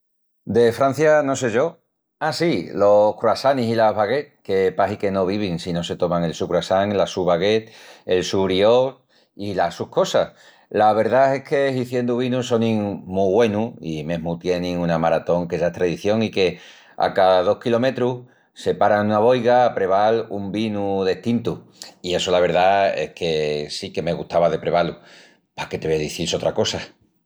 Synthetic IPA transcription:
d̪e̞fɾan̟θjano̞s̬e̞ʝo̞ | asilo̞kɾuasanisilaɦβaɣe̞t̪ke̞paɦike̞no̞β̞iβiŋsino̞se̞t̪o̞maŋe̞lsukɾuasaŋlasuβaɣe̞t̪e̞lsuɾio | ilasuko̞sah | laβ̞e̞ɾðae̞ke̞hiθje̞nd̪uβinuso̞nĩŋmuɣwe̞nuimẽ̞ɦmut̪je̞nĩŋunamaɾat̪o̞ŋkeʝaet̪ɾaðiθjo̞ŋike̞ | a̰kaðaðo̞hkilo̞me̞t̪ɾu | se̞paɾanunaβo̞jɣapɾe̞βalumbinuðe̞ht̪int̪uie̞solaβ̞e̞ɾðae̞̰hkʰe̞sike̞me̞ɣuht̪aβaðe̞pɾe̞βalu | pake̞t̪eβeðiθiso̞t̪ɾako̞sa

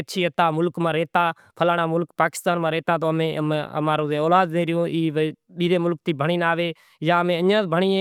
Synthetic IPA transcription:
ətːʃʰiːət̪aːmʊlkmãːɾeːt̪aː | pʰəlaːnaːmʊlkpaːkɪ̥st̪aːnmãːɾeːt̪aːt̪oːmẽːə̰maːɾõːẽːoːlaːd̪dẽːɾɪjõːʔiːʋɗiːɾeːmʊlk̚t̪iːbʱəɳ̃iːnaːʋeː | jãːəmẽːəãːbʱəɳiːẽː

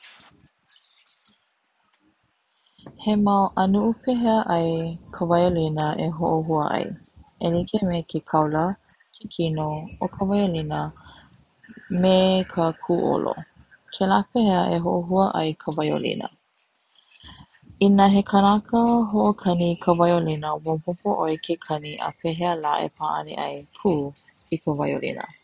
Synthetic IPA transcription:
hemɐwʔənuʔupʰeɦəʔɐjkʰəvɐjolinəʔeɦoʔoɦuəʔɐ̰jelikʰemekʰekʰɐwlə | kʰekʰinookʰəvajolinə | mekʰəkʰuːʔo̰lo̰ | kʰelaːpeɦeəʔeɦoʔoɦuəʔɐ̰jkʰəvɐjo̰lḭnə̰ | inəɦekʰənakəɦoʔokʰɐnikʰəvɐjolinəwopopoʔojkʰekʰɐniʔa̰peɦeəla̰ːʔḛpʰaːʔɐ̰nḭʔɐ̰jpʰuː | ikəvajo̰lḭnə̰

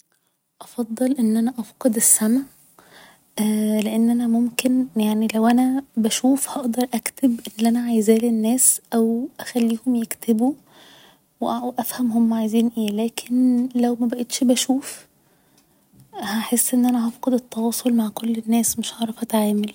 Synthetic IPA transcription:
ʔɑfɑd̪ˤːɑlʔenːʔænæʔɑfqed̪esːæmæ | leʔenːʔænæmomkenjaʕnilæwʔænæbæʃuːfhɑʔd̪ɑɾˤʔækt̪ebʔenːʔænæʕajzæːlenːæːsʔæwʔæxælːiːhomjekt̪ʰebu | weʔwʔæfhæmhomːæʕajziːnʔeːlæːkʰenlæwmæbæʔet̪ʃbæʃuːf | hæħesːʔenːʔænæɦɑfqɑd̪et̪ːɑwɑːsˤolmaʕkolːenːæːsmeʃʕɑʕɾˤɑfʔæt̪ʕaːmel

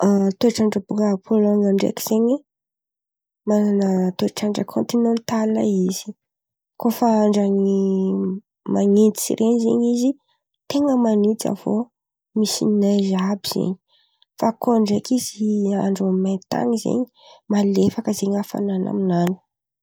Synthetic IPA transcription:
at̪oaʈ͡ʂaɳɖ͡ʐəbukəːpʰoloŋaɳɖ͡ʐḛkʲi̥z̥eɲi | mananət̪oeʈ͡ʂaɳɖ͡ʐəkʰont̪inẽnt̪ala̰iz̥i̥ | kofaaɳɖ͡ʐani | maŋent̪i̥sḭɾʔenizḛɲizi | t̪eŋəmanit̪a̰v̥o | misḭnnazabiz̥ḛɲi̥ | fakʰoaɳɖ͡ʐekizia̰ɳɖ͡ʐamat̪a̰ŋizḛɲi̥ | malefakəzeɲafa̰nana̰minanu̥

